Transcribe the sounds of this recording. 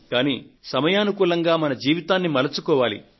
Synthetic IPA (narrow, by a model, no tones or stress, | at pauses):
kaːnisɐmɐjaːnukuːlɐŋɡaːmɐnɐd͡ʒiːʋit̪aːnːimɐlɐt͡ʃukɔːʋaːlḭ